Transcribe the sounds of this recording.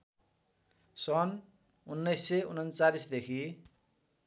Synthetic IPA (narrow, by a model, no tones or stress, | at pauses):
sʌn | unːʌjsːeunʌnt͡salisd̪ekʰi